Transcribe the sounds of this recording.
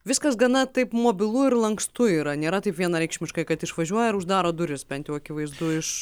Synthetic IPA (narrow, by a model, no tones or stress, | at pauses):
ʋʲɪskɐsɡɐnɐt̪ɐɪpmoːbʲɪlˠʊɪɾlˠɐŋkst̪ʊiːɾɐnʲeːɾɐt̪ɐɪpʋʲiɛnɐɾʲɛɪkʃʲmʲɪʃkɐɪkɐt̪ɪʃʋɐʒʲuɔjɛɪɾʊʒd̪ɑːɾoːd̪ʊɾʲɪsbʲɛnt̪jɛʊɐkʲɪʋɐɪzd̪ʊɪʃ